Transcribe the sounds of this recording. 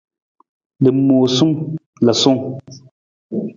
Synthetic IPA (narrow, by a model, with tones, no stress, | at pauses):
le˨˦moː˨su˦ŋ | la˨so˦ŋ